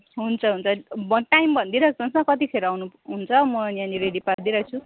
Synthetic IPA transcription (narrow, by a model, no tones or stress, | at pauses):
ɦunt͡sʰʌɦunt͡sʰʌbʌʈajmbʱʌnd̪iɾʌt͡sʌnsmʌkʌt̪ipʰeɾoawnuɦunt͡sʰʌmʌjãniɾeɖipard̪iɾʌt͡sʰu